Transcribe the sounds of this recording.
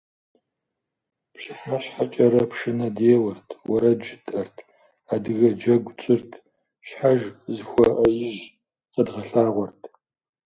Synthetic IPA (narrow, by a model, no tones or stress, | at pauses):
pʃɪħaɕħat͡ʃʼɐɾɐpʂɨnɐdeːwɐrtʰwɐ̰ɾɐd͡ʒɪtʰʼɐrtʰ | adɨɣɐd͡ʒɐɡʷt͡ʃʼɪrtʰ | ʃħaʒzxʷɔʔɐjɪʒ | qədʁɐɬaːʁʷɔrtʰ